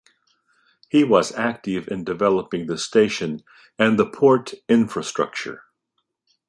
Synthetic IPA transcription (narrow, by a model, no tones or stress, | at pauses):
hiwʌzæk̚tɨvɨ̃ndɨvɛlˠəpɪ̃ŋðɨsteɪʃɨ̃n | ɨ̃nðəpʰɔɹɾɪ̃ɱfɹɨstɹ̥ʌ̰k̚t͡ʃə̰˞